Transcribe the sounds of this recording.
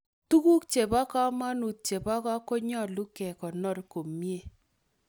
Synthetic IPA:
tu˦ku˦k̚t͡ʃe˨ba˦ka˦ma˦nu˨t̚t͡ʃe˨ba˦ka˦kɔ˦ɲɔ˦˨lu˦kɛ˨kɔ˨nɔ˦˨ɾko˨mi˦e˦˨

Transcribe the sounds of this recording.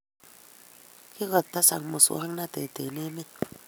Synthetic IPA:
ki˦ɣə˨tːa˦sa̰˨ŋmu˨so̰˦ɾi˦ŋna˦tḛ˨tḛ˨ne˦mi˦t̚

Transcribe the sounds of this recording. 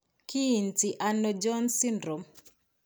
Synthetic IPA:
ki˦i˨nti˨ʔa˨nɔ˨d͡ʒɔ˦nsi˦ndɾɔ˨m

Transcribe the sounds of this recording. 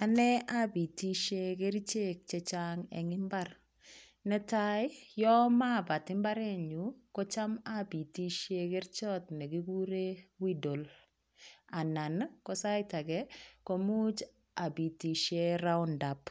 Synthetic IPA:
a˨nɛ˦a˦bi˨ti˦ʃe˦kɛ˦ɾi˦t͡ʃe˦k̚t͡ʃɛ˦t͡ʃa˦ŋɛ̰˨ŋɪ˦mba˦r | nɛ˦ta˦ɪ˦jɔ˦ma˦ba˨tɪ˦mba˦ɾɛ˦ɲu˨kɔ˦t͡ʃa˦ma˦bi˨ti˦ʃe˦kɛ˦ɾt͡ʃɔ˦tnɛ˨ɡi˦ɡu˦ɾe˦wi˦do˨l | a˨na˨nkɔ˦sa˦jta˨ɡɛ˦ko˦mu˦t͡ʃ | a˨bi˨ti˨ʃe˦ɾa˦ʊ˦nda˨p

